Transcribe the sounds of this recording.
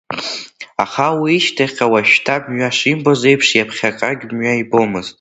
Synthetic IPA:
aχawiːʃtʰaχʲʼawaʃᶣtʰamɥaʂimboze̞jpʰʂjapʰχʲakʼaɡʲmɥajbomɨztʼ

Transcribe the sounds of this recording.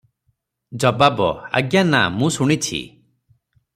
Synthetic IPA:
d͡ʒɔbabɔa̰ɡjana̰mũsuɽ̃it͡ʃʰḭ

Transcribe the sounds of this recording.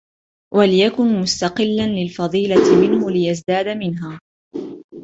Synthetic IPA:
wʔalɪjakʊnmʊst̪ɑqɪlːanlɪlfɑðˤiːlat̪ɪmɪnhʊlɪjazd̪aːd̪amɪnɦaː

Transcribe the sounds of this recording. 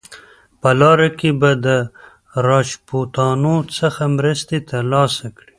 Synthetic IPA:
pəlɑɾakebad̪ə | ɾɑʃpot̪ɑnot͡səxamɾəst̪et̪alɑsakɽi

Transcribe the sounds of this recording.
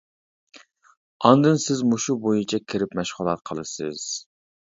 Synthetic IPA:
ɑnd̪ɨnsɪzmoʃubojɨt͡ʃʰɛkʲʰɪɾɪpmɛʃχʊlˠɑt̪̚qʰəlˠɨsɨ̰z̥

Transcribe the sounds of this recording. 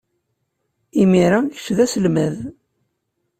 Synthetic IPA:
imiɾaçə̥ʃðæsəlmæð

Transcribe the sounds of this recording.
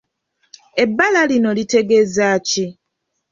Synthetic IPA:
e̞bːalalino̞lite̞ɡe̞zaːci

